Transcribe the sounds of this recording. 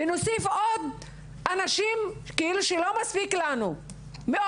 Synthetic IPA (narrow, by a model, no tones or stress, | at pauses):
enosifod̪ | ʔanaʃimkeiluʃelomaspiklanu | meo